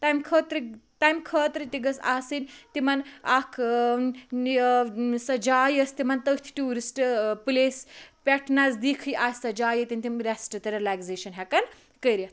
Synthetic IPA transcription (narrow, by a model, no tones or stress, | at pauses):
t̪amkʰəːt̪ɾit̪ajmkʰəːt̪ɾit̪iɡɐsaːsɨnʲt̪imɐnakʰ | sɐd͡ʒaːjɐst̪imɐnt̪əkt̪ʰi̥ʈuːɾisʈpɨleːspʲɛʈʰnazd̪ikʰɨjʔaːsʲsɐd͡ʒaːjɐt̪inʲt̪imɾɛsʈɨt̪ɐɾlaɡzeʃɐnɦɛkɐn | kəjɾɐt̪ʰ